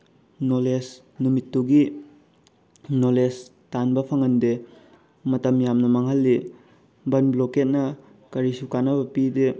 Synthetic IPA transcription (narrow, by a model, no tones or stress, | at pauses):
noles | numitːuɡi | nolestanbɐpʰɐŋɐnde | mɐtɐmjamnɐmɐŋɦɐlːi | bɐnbloket̚nɐ | kɐɾisukanɐbɐpide